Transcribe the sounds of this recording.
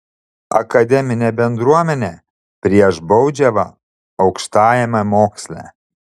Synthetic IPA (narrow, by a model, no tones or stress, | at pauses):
ɐ̰kɐd̪ʲɛmʲɪnʲɛbʲɛnd̪ɾuɔmʲɛnʲɛ | pʲɾʲiɛʒbɒʊd͡ʒʲɛʋɐ | ɒʊkʃt̪ɑːjɛmɐmoːksʲlʲæ̰